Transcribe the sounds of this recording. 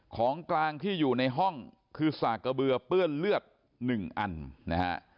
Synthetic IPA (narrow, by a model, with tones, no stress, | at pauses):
kʰɔː˩˦ŋklaː˧ŋt̪ʰiː˥˩juː˨˩na˧jɦɔ˥˩ŋ | kʰɯː˧saː˨˩ka˧bɯ˧ɐpɯ˥˩ənlɯ˥˩ət̪̚ | nɯ˨˩ŋʔa˧nna̰˦˥ha̰˦˥ʔ